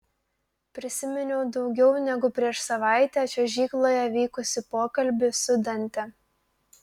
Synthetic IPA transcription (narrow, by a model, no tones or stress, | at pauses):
pʲɾʲɪsʲɪmʲɛnʲɛʊd̪ɒʊɡʲɛʊnʲɛɡʊpʲɾʲiɛʃsɐʋɑˑɪt̪ʲɛːt͡ʃʲɛʒʲiːklˠoːjɛʋʲiːkʊsʲɪpoːkɐlʲbʲɪsʊd̪ʲɐnʲt̪ʲɛ